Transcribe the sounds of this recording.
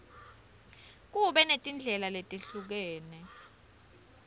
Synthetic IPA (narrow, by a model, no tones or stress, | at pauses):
k̬uɓɛnetʼind͡ɮʱɛlaletʼeɬuk̬ɛːnɛ